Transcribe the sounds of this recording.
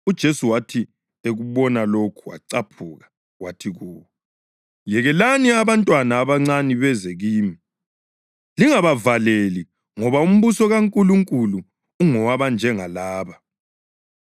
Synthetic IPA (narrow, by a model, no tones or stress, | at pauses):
ud̥ʒ̥ʱesuwatʰi | eɣuβɔnalokʰuwa̰ǀapʰuːɣa | watʰiɣuːwɔ | jɛɣɛlaniaβantʼwanaːβaŋ͡ǀaniβɛzeɣiːmi | liŋaβavaleli | ŋɔβaum̩βusɔɣaŋkʼuluŋkʼuluː | ŋɔwaβand͡ʒʱɛŋalaːβa